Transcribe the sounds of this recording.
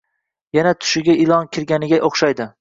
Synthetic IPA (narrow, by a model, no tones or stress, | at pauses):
janat̪ʰʊ̥ʃɪɡʲaɪlˠɒnkʲʰɪɾɡʲanɪɡʲaʔoχʃajd̪ɪ